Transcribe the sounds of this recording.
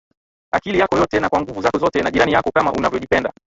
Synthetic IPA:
a̰kilijakɔjɔtɛnakwaŋɡuvuzaɔzɔtɛnaʄiɾanijakɔkama̰ʔunavjɔʄipɛnda

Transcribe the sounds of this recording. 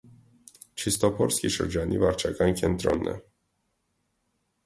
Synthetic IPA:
t͡ʃist̪opoɾskʲiʃo̰rd͡ʒanʔḭvaɾt͡ʃakaŋkʲɛnt̪ɾo̰nːɛ̰

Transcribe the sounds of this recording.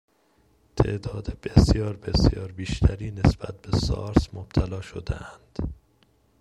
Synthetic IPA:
t̪ʰe̞̰ʔd̪ɒːd̪eb̥esjɒːɾbe̞sjɒːɾbiːʃt̪ʰæɾiːne̞sb̥æt̪̚be̞sɒ̰ːɾsmob̥̚t̪ʰælɒːʃo̰d̪ḛʔænd̪̥

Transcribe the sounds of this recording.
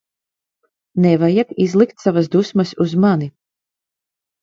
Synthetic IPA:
nɛvajakizlˠikt̪savasd̪usmasuzmani

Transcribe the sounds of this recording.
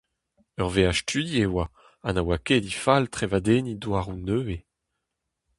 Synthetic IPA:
œʁveaʃtydjewa | anawaked̪ifalt̪χevad̪enid̪waːʁunøːe

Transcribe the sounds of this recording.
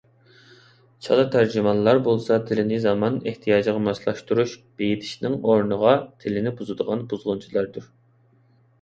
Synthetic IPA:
t͡ʃʰɑ̰lˠɑt̪ʰæɾd͡ʒymɑnlˠɑɾbolˠsɑt̪ʰɪlɪnɪzɑmɑneht̪ʰijɑːd͡ʒʁɑmɑslˠɑʃt̪uɾuʃb̥ejit̪ʰɪʃnɪŋoɾnəʁɑt̪ʰɪlɪnɪbuzɨd̪əʁɑnbuzʁʊnt͡ʃʰilˠɑɾd̪uɾ

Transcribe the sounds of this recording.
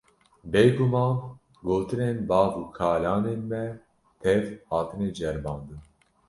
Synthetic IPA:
beːɡumɑːn | ɡoːt̪ɨnenbɑːvukʰɑːlɑːneːnmɛ | t̪ʰɛvhɑːt̪ʰɨned͡ʒɛɾbɑːnd̪ɨn

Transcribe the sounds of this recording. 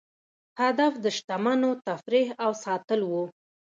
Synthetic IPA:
had̪afd̪əʃt̪amanot̪afɾeɦawsɑt̪əlwu

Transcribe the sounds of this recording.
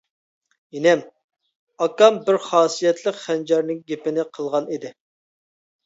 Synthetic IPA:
inɛm | ɑkɑmbɪɾχɑːsijɛt̪ʰlˠəqχɛnd͡ʒɛɾnɪŋɡʲepɪnɪqʰəlˠʁɑnid̪ɪ

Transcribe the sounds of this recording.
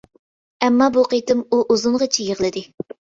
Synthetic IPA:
ɛmːɑbuqʰet̪ɪmuʔuzʊɴʁət͡ʃʰijəʁlˠɨd̪ɪ

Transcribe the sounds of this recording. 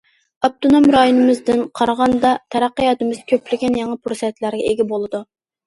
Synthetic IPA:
ɑp̚t̪unomɾɑjonɨmɨzd̪ɪnqʰɑɾʁɑnd̪ɑt̪ʰɛɾɑqːəjɑt̪ɨmɨzkʲʰøplɪɡʲɛnjɑŋɑpʰuɾsɛt̪læɾɡʲɛeɡʲɪbolˠɨd̪u

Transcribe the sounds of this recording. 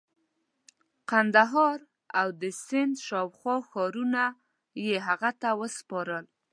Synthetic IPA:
qand̪aɦɑɾ | awd̪əsɪnd̪ʃɑwxwɑxɔɾuna | jeɦaɣat̪awəspɑɾəl

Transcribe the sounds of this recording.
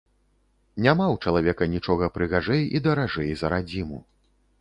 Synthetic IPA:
nʲamawt͡ʂɐlˠavʲɛkɐnʲit͡ʂɔɣɐpɾɨɣaʐɛjid̪ɐɾaʐɛjzɐɾad͡zʲimu

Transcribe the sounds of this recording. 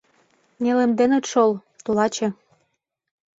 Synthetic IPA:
nelĕmd̪enĕt̪ʃol | t̪ulɑt͡ɕĕ

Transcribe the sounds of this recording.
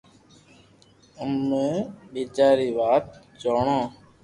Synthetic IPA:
əmːẽːɓiːd͡ʒaːɾiːʋaːt̪̚ | d͡ʒoːɳãː

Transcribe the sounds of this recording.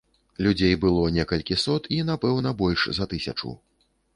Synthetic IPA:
lʲud͡zʲejbɨlˠɔnʲɛkɐlʲkʲisɔt̪ʰinapɛwnɐbɔlʲʂzɐt̪ɨsʲɐ̰t͡ʂṵw

